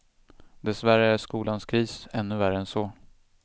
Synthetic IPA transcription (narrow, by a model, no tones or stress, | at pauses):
d̪ɛsvæɾəæʂkuːlanskʰɾiːsɛnːɵvæɾəɛnsɔ